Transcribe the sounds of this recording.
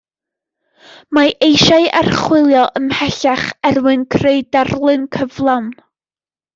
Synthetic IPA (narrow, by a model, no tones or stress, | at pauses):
maʔejʃaɨa̰rχwɪlˠjɔʔəmhɛɬaχɛrwɨnkʰreɨdarlˠɨnkʰəvlˠawn